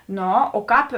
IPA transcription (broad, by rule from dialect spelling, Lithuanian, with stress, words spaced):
ˈnoː oː ˈkɑːp